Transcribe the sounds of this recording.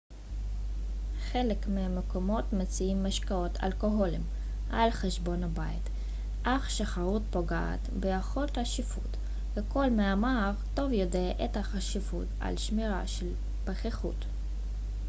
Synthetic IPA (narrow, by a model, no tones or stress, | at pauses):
χelekmeameko̞mo̞tmet͡siimːaʃkao̞tʰa̰lko̞ɦo̞lim | ʔa̰lχeʃbo̞nabait | ʔaχʃaχaʁut̚poɡaa̰t̪bejaχo̞ltaʃifṵt | veko̞lmeamaʁto̞vjo̞deʔethaχaʃifṵta̰lʃmiʁaʃel | paχeχṵt